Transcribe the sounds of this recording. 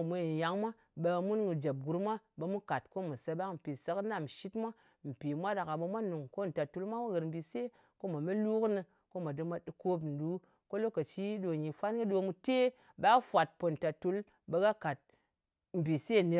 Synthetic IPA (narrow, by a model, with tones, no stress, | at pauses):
mʷe˨ja˨˦ŋmʷa˦ | ɓe˧mu˦nɡɨ˧d͡ʒe˨p̚ɡu˨˧ɾmʷa˦ɓe˧mu˦ka˨t̚ko˦mu˨sa˧ɓa˦km̩˨pi˨sə˧kna˦˨m˨ʃi˦tmʷa˦ | m̩˨pi˨mʷa˦da˨ka˨ɓe˧mʷa˦nu˨ŋko˦n̩˨ta˨tu˧˦lmʷa˦mu˦ɣɨ˨ɾm̩˨bi˨se˦ | ko˦ma˨me˦lu˦knɨ˧ | ko˦ma˨dɨ˧mʷa˦ɗɨ˨ko˦pn̩˨du˨˦ | ko˦lo˦kə˨t͡ʃi˦ɗo˨ɲi˨fa˦nɡɨ˦ɗo˧mu˧te˦ | ɓa˦fʷa˨t̚po˨n̩˨ta˨tu˧˦l | ɓe˧ɡa˦ka˨t̚ | m̩˨bi˨se˦˨ne˧